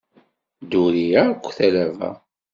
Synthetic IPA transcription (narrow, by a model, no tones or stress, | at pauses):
d̪uɾijækʷːθælævæ̰